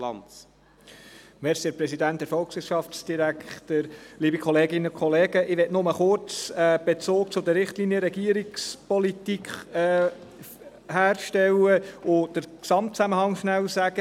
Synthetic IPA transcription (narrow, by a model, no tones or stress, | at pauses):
lɑ̰nt͡s | mɛɾsiəpɾɛsidænt̚d̥ɛɾfɔlksʋɪɾʃɑft͡sd̥iɾækχt̪əɾliːbikʰɔleːɡɪnəʊkχɔleːɡ̥əʔɪʋɛtnʊməχʊɾt͡sɛb̥et͡soːk̚t͡sʊd̪əɾːɪχtlinjəɾɛɡiəɾikspɔlit̪ikχ | hæːɾʃtɛwəʊd̥əɾksɑmtt͡sæməhɑŋʃnælsæɡ̥ə